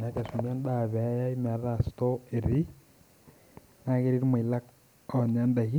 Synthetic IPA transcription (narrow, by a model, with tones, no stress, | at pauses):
na˨˦ka˨su˨mi˦a˦nda˨βɛ˨˦ja˦ima˨ɾa˨sto˦eɾi˦ | na˦ɣe˦ɾi˦ɾi˦mwe˨i˨la˦k | ɔɲa˦nda˨ɣi˦